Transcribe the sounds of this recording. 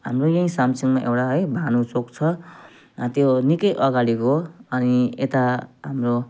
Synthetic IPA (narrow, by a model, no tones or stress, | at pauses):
ɦamrojʌĩsamsiŋmaʔewʈaɦʌjbʱanut͡sokt͡sʰʌ | t̪jonikʌjʔʌɡaɽikoʌniet̪aɦamro